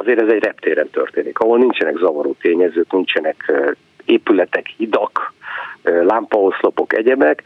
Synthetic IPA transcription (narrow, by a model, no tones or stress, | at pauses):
ɒzeːɾɛzɛɟrɛpt̪eːɾɛnt̪ø̰rt̪eːnikɒɦo̞lnint͡ʃɛnɛɡzɒvɒɾuːt̪eːɲɛzøːknint͡ʃɛnɛk | eːpylɛt̪ɛkhid̪ɒkː | lampɒɦo̞slo̞po̞kɛ̰ɟɛbɛk